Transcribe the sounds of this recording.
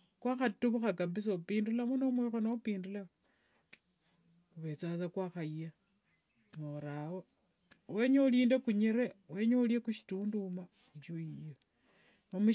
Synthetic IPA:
kwaxatuβuxakabis̬oupiːndulamunomwiːxonaupiːndula | kuβe̞t͡sat͡sakwaːxaja | noɾawo | weɲeuliːndekuɲiɾewe̞ɲeuljekuʃi̥tuːnduma | it͡ʃoijo | nomu

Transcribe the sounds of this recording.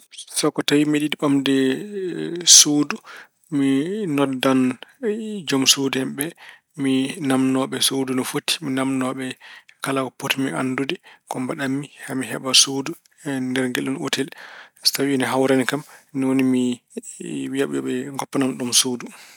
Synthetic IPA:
sɔkːɔtawimiɗiɗiɓamdɛ | soːdu | minɔdan | d͡ʒɔmsudɛmɓɛ | minamnɔɓɛsodunɔfotːi̥minamnɔɓɛkalakɔpotimia̰nːdudɛkɔmbaɗamːihamiɦɛ̰ɓasodu | ndɛɾŋɡelːuno̰tʰɛlstawiinɛɦawɾanikamnɔwonimi | wijaɓṵjɔ̰ɓɛŋɡɔpːɔnamɗumsodu

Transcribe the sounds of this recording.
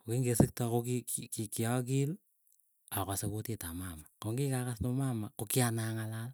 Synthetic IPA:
okiŋɡesik̚tɔkokikkikiɔk̬il | akasekotitamamakoŋɡikakasnomamakokianaŋalal

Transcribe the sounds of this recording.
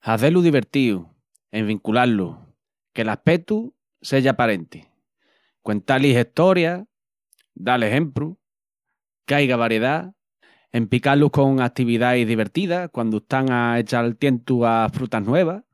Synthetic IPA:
haθe̞luðiβ̞e̞ɾt̪iu | e̞ŋβiŋkulalṵ | ke̞lahpet̪u | se̞ʝapaɾe̞nt̪e | kwe̞nt̪aliɦe̞ht̪o̞ɾja | d̪ale̞ɦẽ̞mpɾu | kajɣaβaɾje̞ða | empikaluko̞ŋat̪iβiðaiɦðiβ̞e̞ɾt̪iðakwand̪ueht̪aŋae̞t͡ʃalt̪je̞nt̪uafɾut̪anwe̞β̞a

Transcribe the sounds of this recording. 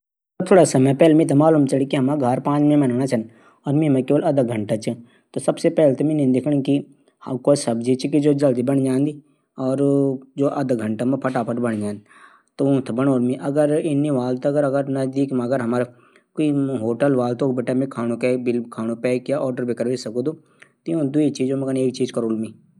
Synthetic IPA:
t̪ʰoːɽasɐməpɛːlemĩt̪amaːluːmt͡ʃɐlikiɦɐmaɡʱaɾpãːt͡ʃmẽmɐnːnat͡ʃʰɐn | ɔːɾmĩmekeːʋəlɐd̪əɡʱɐ̃ɳʈat͡ʃʰi | t̪osɐbsepɛːlt̪omĩnẽd̪ekʰɽ̃ki | ɐkosɐbd͡ʒit͡ʃʰikid͡ʒoːd͡ʒɐld̪ibɐnd͡ʒãːnd̪i | ɔːɾd͡ʒoːʔɐd̪ɡʱɐ̃ɳʈamẽpʰɐʈaːpəʈbɐɽd͡ʒãːnd̪ | t̪oũːt̪ʰbɐɽ̃oːlmĩʔɐɡəɾɪnːiʋaːlt̪ɐɡəɾɐɡəɾnɐzd̪iːkmãɡəɾɦɐmaːɾ | koiɦoːʈəlʋaːlt̪okbeʈamẽkʰaːñũkɛbɪlkʰaːñupɛːkjaʔɔːɾɖəɾbekəɾʋesɐkod̪u | t̪ojũd̪uit͡ʃiːd͡ʒomɐɡəneːk̚t͡ʃiːd͡ʒkɐɾoːlmi

